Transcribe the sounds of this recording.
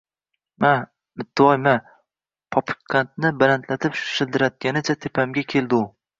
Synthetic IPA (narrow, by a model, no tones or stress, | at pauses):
ma | mɪt̪ʰːɪɒjma | pʰɒpɪ̥kʰːant̪̚nɪbalant̪ʰlat̪ʰɪpʃɪld̪ɪɾat̪̚ɡʲanɪt͡ʃʰat̪ʰepʰamɡʲakʲʰe̞ld̪ɪʊ